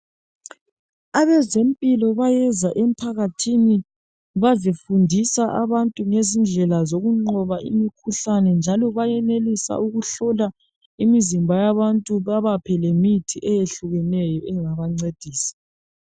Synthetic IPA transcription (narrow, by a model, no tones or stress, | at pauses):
aβɛzempʼilɔβajɛzaʔem̩pʰaɣatʰini | βazifundʱisaʔaβantʼuŋezind͡ɮʱɛlazoɣuŋ͡ǃɔβaʔḭmikʰuɬanɛnd͡ʒʱalɔβajɛnelisa̰uɣuɬɔla | imizimbʱajaβantʼuβaβapʰɛlemitʰiʔɛjeɬuɣɛnɛjɔʔɛŋaβaŋ͡ǀed̥ʱiːsi̥